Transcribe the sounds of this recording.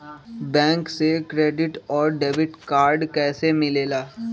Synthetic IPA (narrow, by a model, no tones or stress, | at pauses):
bɛ̃ːŋksekɾeːɖɪʈɔːɾɖeːbɪʈkaːɾɖkɛːsemɪleːlaː